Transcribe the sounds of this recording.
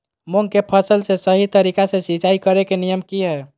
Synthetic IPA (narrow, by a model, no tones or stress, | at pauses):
moŋkepʰəsəlsesəɦit̪əɾikasẽsit͡ʃaikəɾekenijəmkiɦɛ